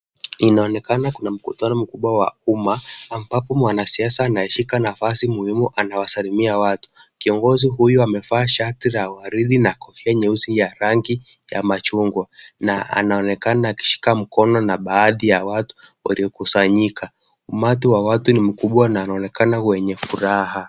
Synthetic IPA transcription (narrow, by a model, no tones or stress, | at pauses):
inaɔnɛkanakunam̩kutanɔm̩kuɓwawa̰umaːmbapɔmwanasiasaːnaɛʃikanafasimuhimuʔanawasalimiawatu̥kiɔŋɡɔziɦujuamɛfaːʃatiɾawaɾiɗinakɔfiaɲɛuzijaɾaŋɡi | ja̰mat͡ʃuŋɡwanaa̰naɔnɛkanaːki̥ʃi̥kam̩kɔnɔnaɓaːðijawatu̥wa̰liɔkusaɲikʰa | umatiwawatunim̩kuɓwanaːnaɔnɛkʰanawɛɲɛfuɾaɦa